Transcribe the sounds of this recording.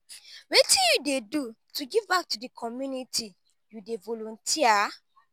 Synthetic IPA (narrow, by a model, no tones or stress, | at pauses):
wetĩjudedu | tuɡivbak̚tudikʰɔmjunitʰi | judevɔlɔ̃ntʰia